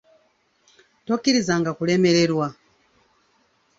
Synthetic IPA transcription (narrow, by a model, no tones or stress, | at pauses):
tɔkiɾizaŋɡakulɛmɛɾɛɾwa